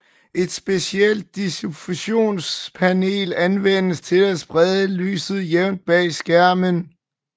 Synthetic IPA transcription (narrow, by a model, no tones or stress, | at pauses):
ʔe̝d̥sb̥e̝siel̰d̥̚ːisufuɕo̝̰ːnspʰæne̝̰ːlænʋen̰əst͡sʰe̝læsb̥ʁɛðˠəly̰ːsð̞̩ˠjeʊnd̥̚b̥ɛ̰ːsɡ̥æɐ̰mən